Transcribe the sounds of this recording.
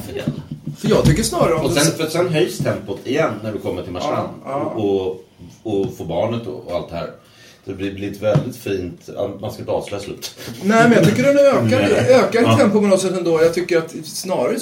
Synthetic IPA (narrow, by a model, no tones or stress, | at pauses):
feːlfəjɑːɡt̪ʰʏkːəʂnɑːɾaɾəɔmɔsɛnft̪sɛnɦœjst̪ʰɛmpʊt̪ʰɪjɛnːæɾvɪkʰɔmːəʈʰɪlmaʂa̰nːɔ | ɔfoːbɑːɳət̪ːɔ̰ɔ̰a̰lt̪̚d̪ɛhæ̰ːɾ | sɔd̪ɛb̪ɪblɪɾɪnt̪əvɛld̪ɪt̪fiːnt̪a̰manskaɪnt̪ɑ̰ːvslœjaslʉ̟̰ːt̪ːnɛmɛnjɑt̪ʰʏkːəɖɛnøːkaøːkat̪ʰɛmpːʊmɔnɔsɛt̪ːɛnd̪oːjɑt̪ʰʏkːəɾat̪snɑːɾaɾ